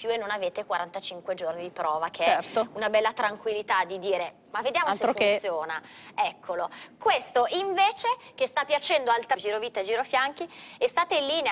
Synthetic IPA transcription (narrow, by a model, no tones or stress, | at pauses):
pjuenːonaveːt̪ekwaɾant̪at͡ʃiŋkwed͡ʒornid̪ipɾɔːvak̟ʰeɛɛɾt̪ounabɛlːat̪ɾaŋkwilːit̪ad̪id̪iːɾe | mavːed̪jaːmolseɾofunnet̪sjoːnaɛkʰːolokwest̪oʔiɱveːt͡ʃek̟est̪apːjat͡ʃɛnd̪oalt̪d͡ʒiːɾoviːt̪ad͡ʒiːɾofjaŋk̟iest̪aːt̪einlːiːne